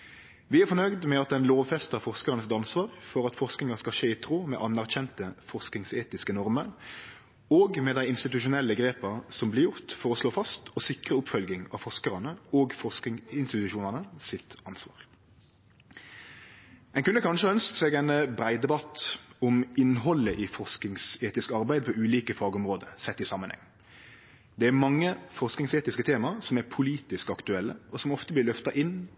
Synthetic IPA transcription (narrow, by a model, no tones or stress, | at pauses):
ʋɪæfɔnœʏd̪mɛɑt̪̚d̪ɛnloːʋfɛst̪ɑʁfɔʁskəʁənəsɪt̪ɑnsʋɑːʁfɔʁɑt̪fɔʁsknɪŋɑskɑʃeːɪt̪ʰʁuːmɛ̰ʔɑnːæʁc͡çɛnt̪əfɔʁsknɪŋseːt̪ɪskənɔʁməɾ | oːɡmɛd̪æɪɪnst̪ɪt̪ʉʃʊnɛlːəɡɾeːpɑsɔmblɪɾjʊʁt̪fɔʁɔsloːfɑst̪ɔsɪkʁəʊpfœlɡɪŋɑ̰ːfɔʁskəʁɑnəoːɡfɔskɪŋɪnst̪ɪt̪ʉʃuːnɑnəsɪt̪ɑnsʋɑ̰ːʁ | ɛnkʉnəkʰɑnʂəœnskseːɡɛnbʁæɪd̪ɛbɑt̪ɔmɪnɦɔləʔifɔʁsk̪ɪŋseːt̪ɪskəɑʁbæɪd̪̚pʰɔʉːliːkəfɑːɡɔmʁoːd̪əsɛt̪ːɪsɑmːənhɛ̰ŋː | d̪ɛæɾmɑŋːəfɔʁsknɪŋseːt̪ɪskət̪ʰeːmɑʁsɔmæpʰʊliːt̪ɪskɑkt̪ʉɛlːə̰ɔsɔmɔft̪əblɪɾlœft̪ɑʔɪnː